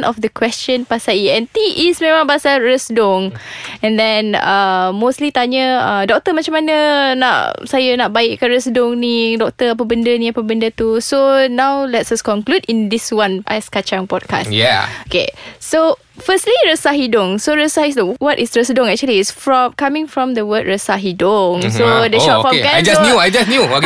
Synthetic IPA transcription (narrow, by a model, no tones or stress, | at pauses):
nʔɔfd̪əkwɛst͡ʃə̃npasaiɛ̃nt̪iʔismẽmãŋbasaɹəsdʊŋɛ̃nd̪ɛ̃namostlit̪aɲəədɔk̚t̪əmat͡ʃãmanəna̰ʔsajənaʔ̚baɪʔkanɹəsdʊŋnidɔk̚t̪əap̬əbəndənĩapəbəndət̪usonãwlɛtsaskɔ̃nkludĩnd̪iswãnʔa̰jskat͡ʃãŋpɔd̚ka̰stjaokḛso | fəstliɹəsaɦidʊŋsoɹəsahidoŋwɔtisɹəsədʊ̃ŋɛk̚t͡ʃuəliːsfɹɔmkamɪ̃ŋfɹɔ̃md̪əwəd̚ɹəsaɦidʊŋsodəʃɔfɔkajd͡ʒasnjuajd͡ʒasnjuok